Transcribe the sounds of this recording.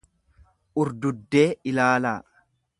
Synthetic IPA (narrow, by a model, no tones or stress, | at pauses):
ʔʊɾd̪ʊd̪ːe̞ːɪlaːlaː